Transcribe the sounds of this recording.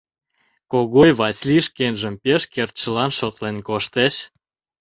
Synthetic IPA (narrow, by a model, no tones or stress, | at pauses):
koɣojβɑsʲliʃkenʒə̆mpeʃkert̪ʃə̆lɑnʃot̪lenkoʃt̪eʃ